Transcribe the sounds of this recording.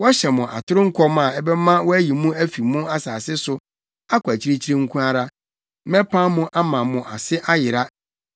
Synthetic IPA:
wɔ˦ɕɛ˨mʊ̃˨ʔa̰˨tʰʊ˦ɾʊ˦ŋ̩˦kʰɔ˦mã˨ɛ˦bɛ˦mã˦wɔ˦æ˦ji˨mũ˦æ˦fi˨mʊ̃˦a˦saː˨sɪ˦sʊ˦ | a˦kʰʷæ˨t͡ɕʰi˦ɾe˦t͡ɕʰi˦ɾe˦ŋ̩˦kʰũ˦a˦ɾa˦ | mɛ̃˦pʰã˦mʊ̃˦ʔa˦mã˨mʊ̃˨ʔa˨sɪ˦ʔa˦jɪ˨ɾa˦

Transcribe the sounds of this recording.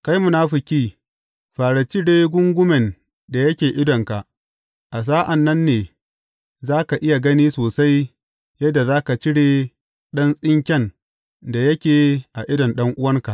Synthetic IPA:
ka˦jmʊ˨naː˦ɸɪ˨kʲiː˦ | ɸaː˨ɽa˨t͡ʃɪ˦ɽeː˦ɡʷʊ˦ŋɡʷʊ˦mɛ˨n | da˨jɐ˦kʲeː˨ʔɪ˦dɔ˨ŋka˨ʔ | ʔa˨s̬aː˦ʔa˨nːɐ˦nːeː˨ | zaː˦ka˨ʔɪ˦ja˨ɡɐ˦niː˦soː˨sa˦j | jɐ˦dːa˨zaː˦ka˨t͡ʃɪ˦ɽeː˨ | ɗɐ˦nsʼɪ˦ŋkʲɛ˦n | da˨jɐ˦kʲeː˨ʔa˨ʔɪ˦dɔ˨nɗɐ˦ŋʔʊ˦wɐ˦ŋka˨ʔ

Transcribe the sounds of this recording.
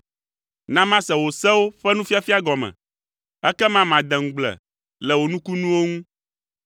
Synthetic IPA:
nã˦mã˦sɛ˨wo˨sɛ˦wo˦ɸɛ˦nũ˦fi˦a˦fi˦a˦ɡɔ˨mɛ̰̃˨ | ɛ˦kɛ˦mã˦mã˨d̪ɛ˨ŋ̩˨ɡ͡blɛ̰˨ | lɛ˨wo˨nũ˦ku˦nũ˦wo˦ŋũ˦

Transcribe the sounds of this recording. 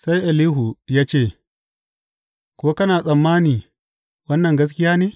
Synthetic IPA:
sa˦jʔa˨liː˦ɦu˨jaː˦t͡ʃeː˦˨ | koː˦kɐ˦naː˨sʼɐ˨mːaː˦niː˨ | wɐ˦nːɐ˨ŋɡɐ˦s̬kʲɪ˦jaː˦neː˨

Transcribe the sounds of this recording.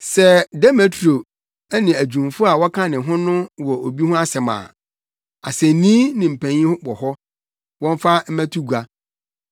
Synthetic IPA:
sɛ˦dɛ˦me˨tʰɾo˨ | ɛ˦nɪ̃˨æ˨d͡ʑᶣũ˨m˨fʊ˦a˨wɔ˦kʰã˦nɪ̃˨ɦʊ̃˦nʊ̃˦wɔ˨o˨bi˦hʊ̃˦a˦sɛ˨mã̰ː˨ | a˨sɛ˨nĩ˦nɪ̃˨m̩˨pʰæ̃˨ɲĩ˦hʊ̃˦bɔ˨hɔ˦ | wɔ̃˦ɱ˦fa˦m̩˦mæ̃˦tʰu˦ɡu˨a˦

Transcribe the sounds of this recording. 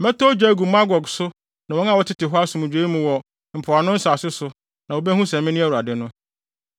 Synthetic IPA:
mɛ̃˦tʰɔ˦d͡ʑᶣa˦ɡu˨ma˦ɡɔ˨ɡsʊ˦ | nã˨wɔ̃˦n˦a˨wɔ˦tʰɪ˦tɪ˨ɦɔ˦a˦sʊ̃˨mũ˨d͡ʑᶣeː˨˦mũ˨wɔ˨ | m̩˨pʰʊ˨a˨nʊ̃˦n̩˦saː˨sɪ˦sʊ˨ | nã˨wo˨˦bɛ˦hũ˦sɛ̃˨mɪ̃˦nĩ˦æ˦˨wu˨a˨dɪ˨nʊ̃˦

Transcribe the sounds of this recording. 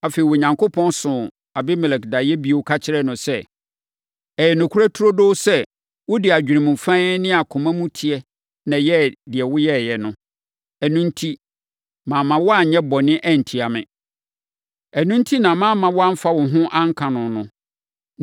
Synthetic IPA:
a˨fe˨i˨wo˨ɲã˨ŋkʰo˦pʰɔ̃˦nsʊ̃˨ | a˨bɪ˦mɛ˨lɛ˨kda˨jɛ˦bi˦o˨˦kʰa˦t͡ɕʰɪ˦ɾɛ˦nʊ̃˨sɛ˦ | ɛ˨jɛ˨nʊ̃˨kʰu˦ɾa˦tʰu˦ɾo˦do˦sɛ˦ | wʊ˦dɪ˨a˨d͡ʑᶣi˨ɾĩ˨mũ˨fã˦nɪ̃˦a˨kʰʊ̃˨mã˦mũ˦tʰi˨ɛ˨ | nã˨jɛ˦˨dɪ˨ɛ˨wʊ˦jɛ˦˨jɛ˨nʊ̃˦ | ɛ˨nũ˦n̩˦tʰi˦ | mãː˨mã˨wɔ˦a˦˨ɲɛ̃˦bɔ˨nɪ̃˦ʔɛ˦˨n̩˨tʰi˨a˨mɪ̰̃˨ | æ˨nũ˦n̩˦tʰi˦nã˨mãː˦mːã˨wɔ˦a˦m̩˦fa˦wʊ̃˨ɦʊ̃˦ʔã˦ŋ̩˦kʰã˨nʊ̃˨nʊ̃˦

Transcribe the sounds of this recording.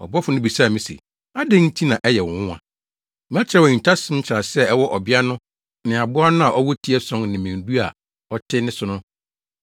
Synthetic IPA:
ɔ̰˨bɔ˦fʊ˨nʊ̃˦bi˨sa˦˨mɪ̃˨sḛ˨ | a˦dɪ̃˦n̩˦tʰi˦nã˨ʔɛ˦jɛ˨wɔ̃˨wʊ˦ã̰˨˦ | mã˦t͡ɕʰɪ˨ɾɛ˦wɔ˨ɲĩ˨tʰa˦sɪ̃˦m̩˦t͡ɕʰɪ˨ɾa˨sɛ˦˨ɛ˦wɔ˦ʔɔ˨bɪ˦a˦nʊ̃˦ | nɪ̃˨a˨bʊ˦a˦nʊ̃˦a˨ʔɔ˦wɔ˦tʰi˦ɛ˦sɔ̃˦ŋnɪ̃˨mɪ̃˨n˨du˦a̰˨ | ɔ˦tʰɪ˦nɪ̃˦sʊ˨˦nʊ̃˦

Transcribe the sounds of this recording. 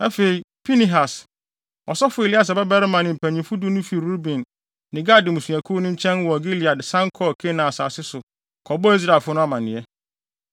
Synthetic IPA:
a˦fe˨i˨pʰi˦ni˦ɦa˨s | ɔ̰˨sɔ˦fʊ˦e˨li˦a˦s̬a˨bɛ˦bɛ˦ɾɪ˦mã˨nɪ̃˨m̩˨pʰæ˨ɲĩ˨fʊ˦dʊ˦nʊ̃˦fi˨ɾu˦bĩ˨nː | ɪ̃˨ɡa˦˨dɪ˨mũ˨su˨æ˨kʰu˦nʊ̃˦ɲ̩˦t͡ɕʰɛ̃˦n˦wɔ˨ɡi˦li˨a˨dsã˦ŋ˦kʰɔ˦˨kʰe˦nã˨a˨sa̰ː˨sɪ˦sʊ˨ | kʰɔ˨bɔ˦i˦s̬ɾa˨fʊ˦nʊ̃˦a˦mã˨nɪ̃˨ɛ˦

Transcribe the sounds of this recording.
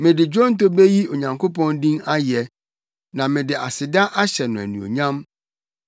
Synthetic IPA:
mɪ̃˨dɪ˨d͡ʑᶣɔ̃˦n˦to˦be˦ji˦o˨ɲã˨ŋkʰo˦pɔ̃˦ndĩ˦ŋa˦jɛ˨ | nã˨mɪ̃˨dɪ˨ʔa˨sɪ˨da˦ʔa˦ɕɛ˨nʊ̃˨æ̰˨nĩ˨o̰˨ɲã˦m

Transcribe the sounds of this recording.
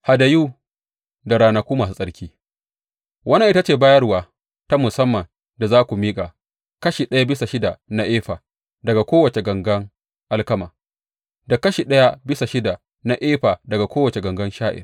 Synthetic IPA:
ha˨da˨juː˦ | da˨ɾaː˦na˨kʷuː˦maː˨u˦sʼɐ˦ɽkʲiː˦ | wɐ˦na˦ʔɪ˦ta˦t͡ʃeː˨baː˦jɐ˦rwaː˨ | ta˦mʊ˨sɐ˦mːɐ˨n | da˨zaː˦kʷu˨miː˦kʼa˨ | kɐ˦ʃi˨ɗɐ˦ja˦bɪ˦sa˨ʃɪ˦da˨na˦ʔeː˦ɸaː˨ | dɐ˨ɡa˨kʷoː˦wɐ˨t͡ʃe˨ɡɐ˨ŋɡɐ˦ŋ | ʔa˦lkɐ˦maː˨ | da˨kɐ˦ʃiː˨ɗɐ˦ja˦bɪ˦sa˨ʃɪ˦da˨ | na˦ʔeː˦ɸaː˨dɐ˨ɡa˨kʷoː˦wɐ˨t͡ʃe˨ɡɐ˨ŋɡɐ˦nʃaː˦ʔɪ̰˨r

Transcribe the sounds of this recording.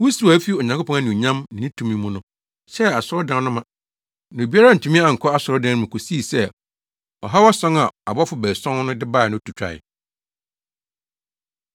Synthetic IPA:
wu˦su˨a˨˦fi˦ɔ˨ɲã˨ŋkʊ˦pʰɔ̃˦a˦nʊ̃˨ɲã˦mnɪ̃˨nĩ˦tʰũ˨mĩ˦mũ˦nʊ̃˦ | sɛ˦a˨sʊ˦ɾɔ˦dã˨˦nʊ̃˦mã˨ | nã˨o˨bi˦a˦ɾa˦n̩˨tʰũ˨mĩ˦a˨ŋ̩˨kʰɔ˦a˦sʊ˨ɾɔ˦dã˦mʊ̃˨kʰo˨si˦˨sɛ˦ | ɔ̰˨ɦa˦wɔ˦sɔ̃˦ŋa˨a̰˨bɔ˦fʊ˨bɛː˨sɔ̃˦n˦nʊ̃˦dɪ˦ba˦˨nʊ̃˦tʰu˨t͡ɕᶣa̰˨ɪ̰˨

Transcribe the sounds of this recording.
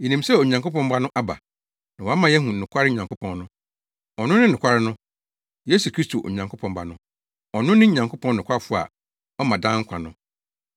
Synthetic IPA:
jɛ˨nĩ˨msɛ˦o˨ɲã˨ŋko˦pɔ̃˦m˦ba˦nʊ̃˦ʔa˦ba̰˨ | nã˨wa˦mã˨jɛ˦ɦũ˨nʊ̃˨kʰʷa˦ɾɪ˦ɲã˨ŋkʰo˦pʰɔ̃˨nnʊ̃˦ | ɔ˨nʊ̃˦nɪ̃˦n˨ʊ̃˨kʷʰa˦ɾɪ˦nʊ̃˦ | je˦su˨kʰɾi˦stʰo˨ʔo̰˨ɲã˨ŋkʰo˦pʰɔ̃˨mba̰˨nʊ̃˦ | ɔ˨nʊ̃˦nɪ̃˦ɲã˨ŋkʰo˦pʰɔ̃˦nnʊ̃˨kʷʰa˦˨fʊ˦˨a̰˨ | ɔ˦mã˨dã˦ŋ̩˦kʷʰã˨nʊ̃˦

